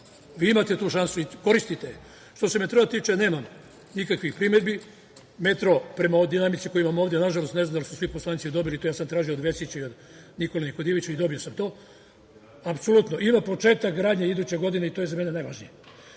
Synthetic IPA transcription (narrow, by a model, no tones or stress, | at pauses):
ʋiːimat̪e̞t̪uːʃansuiko̞ɾist̪it̪e | ʃt̪o̞se̞me̞t̪ɾoat̪iːt͡ʃeneːmam | nikakʋixpɾimed̪bi | met̪ɾopɾe̞maojd̪inamit̪siko̞jimamoːʋd̪jenaʒalost̪nenamd̪alˠisusʋipo̞slˠanit̪sid̪o̞bilit̪ojaːsamt̪ɾaːʒijoːd̪ʋe̞sit͡ɕaio̞d̪ | niko̞lenikod̪ieʋit͡ɕaid̪o̞bio̞samt̪o̞ː | apso̞lut̪noʔimapo̞t͡ʃe̞ːt̪akɡɾaːd̪ɲeid̪uːt͡ɕeɡo̞d̪ineit̪ojezame̞nenajʋaʒnije